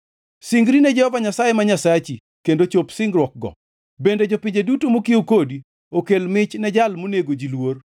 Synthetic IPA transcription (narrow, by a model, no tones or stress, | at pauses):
siŋɡɾinɛd͡ʒɛhɔvaɲasajemaɲasat͡ʃi | kendot͡ʃopsɪŋɡɾwɔk̚ɡɔ̰ | bended͡ʒopɪɲd͡ʒedutomokiokodi | okelmɪt͡ʃnɛd͡ʒalmoneɡod͡ʒilwor